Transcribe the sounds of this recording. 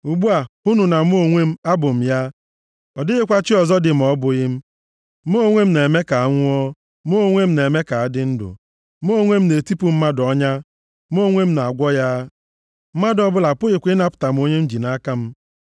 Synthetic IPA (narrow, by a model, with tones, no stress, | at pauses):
u˨ɡ͡bu˦a˨u˦nu˨na˨m˦o˦ŋʷe˦m̩˦a˦bʊ˨m̩˨ja˦ | ɔ˨dɪ˦ɣɪ˦kʷa˦t͡ʃɪ˦ɔ˨zɔ˦dɪ˨m̩˨ɔ˦bʊ˨ɣɪ˦m̩˦ | m˦o˦˨ŋʷe˦m̩˦ne˨me˦ka˨a˦ŋʷʊ˦ɔ˦ | m˦o˦ŋʷe˦m̩˦ne˨me˦ka˨a˦dɪ˦n̩˦dʊ̰˨ | m˦o˦˨ŋʷe˦m̩˦ne˨ti˦pu˨m̩˦ma˦dɔ˦ɲa˦ | m˦o˦˨ŋʷe˦m̩˦na˨a˨ɡʷɔ˦ja˦ | m̩˦ma˦dɔ˦bʊ˦la˨pʊ˦ɣɪ˨kʷɪ˦na˦pʊ̥˨ta˨m̩˨˦o˦ɲe˦n̩˦d͡ʒi˨na˦ka˦m̩˦